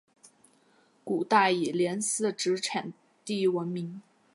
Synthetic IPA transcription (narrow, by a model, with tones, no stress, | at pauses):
ku˨˩t̪a˥˩i˨˩ljɛ˧˥nsɹ̩˥˩ʈ͡ʂɻ̩˧˥ʈ͡ʂʰa˨˩n | t̪i˥˩˥wə˧˥nmi˧˥ŋ